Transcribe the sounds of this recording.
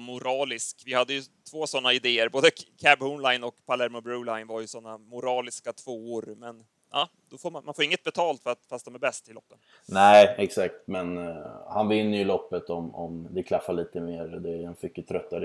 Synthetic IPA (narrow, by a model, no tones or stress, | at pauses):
mʊɾɑːlɪskvɪhad̪ːəjɵt̪ʰv̥oːsɔnːaɪd̪eːəɾboːd̪əkʰæbhɔnlajnɔkpʰalæɾmɔbɾʉːlajnvaɾjɵsɔnːamʊɾɑːlɪskat̪ʰvoːoːɾmɛn | ɑː | d̪ɔfoːɾmanmanfoːɾɪŋːət̪̚bɛt̪ʰɑːlt̪fœɾat̪fast̪̚d̪ɔmæɾbɛst̪ɪlɔpːənnæɪɛksak̚t̪mɛnhanvɪnːəjɵlɔpːət̪ɔmɔmd̪ɛkʰlafːaliːt̪əmeːɾd̪ɛɛnfʏkjːət̪ʰɾœt̪ːaɾ